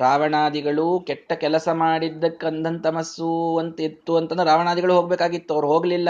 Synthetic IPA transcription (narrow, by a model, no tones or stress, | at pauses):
ɾaːʋɐɳaːd̪iɡɐɭukɛʈːɐkɛlɐsɐmaːɽid̪ːɐkːɐnd̪ɐnt̪ɐmɐsuɐnt̪et̪ːuɐnt̪ɐnd̪ɾaːʋɐɳaːd̪iɡɐɭuɦoɡbeːkaːɡit̪ːuɐʋɐɾuɦo̞ːɡɐlilːɐ